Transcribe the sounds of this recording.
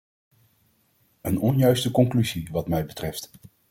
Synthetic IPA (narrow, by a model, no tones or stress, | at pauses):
ənɔnjœɥstəkɔŋklyziʋɑtmɛjbətrɛft